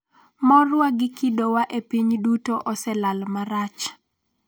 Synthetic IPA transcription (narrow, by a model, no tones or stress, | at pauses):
mɔrwaɡɪkidowaʔepiɲdutoʔɔsɛlalmaɾat͡ʃ